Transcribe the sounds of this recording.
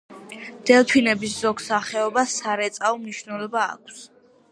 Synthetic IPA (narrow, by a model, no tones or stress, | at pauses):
d̪̥ɛlˠpʰinɛbiszɔkʰsaχɛɔbasaɾɛt̪sʼaɔmniʃnɛlˠɔba̰ːkʰs